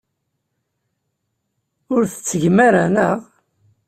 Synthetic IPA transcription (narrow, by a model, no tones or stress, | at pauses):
ʊɾθə̥t͡sːəʝmaɾanəʁ